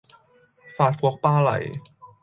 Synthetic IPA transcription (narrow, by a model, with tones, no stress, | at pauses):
faː˨˩t̪̚pʰu˧˦ək̚paː˧˥˩la̰˨˩j